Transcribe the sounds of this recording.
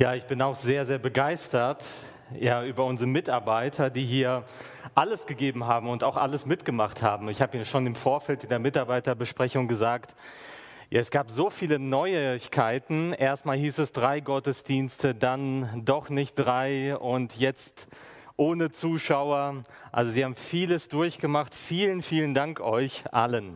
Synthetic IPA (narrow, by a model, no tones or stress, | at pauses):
jaːɪçb̥ɪnaʊxz̥eːɐzeːɐbəɡaɪstɐt | jaːʔyːbɐʊnzəʁəmɪtaɐbaɪtʰɐdiːɦiːɐ | ʔaləsɡ̥əɡeːbm̩ɦaːbm̩ʊnta̰ʊxʔa̰ləsmɪtɡ̥əmaχtha̰ːbm̩ɪçhaːbəiːʃoːnɪmfoːɐfɛltɪndeːɐmɪtaɐbaɪtɐbəʃpʁ̥ɛçʊŋɡəzaːkt | ja̰ɛsɡ̥aːpz̥oːfiːlənɔʏɪçkʰaɪtn̩ʔeːɐstmaːlɦiːsɛsd̥ʁaɪɡɔtəsd̥iːnstədandɔχnɪçt̚d̥ʁaɪʊntʰjɛt͡st | ʔoːnət͡suːʃaʊɐ | ʔa̰lzoziːhaːbm̩fiːləsd̥ʊɐçɡ̥əmaχtfiːlənfiːləndaŋkʔɔʏçʔa̰lən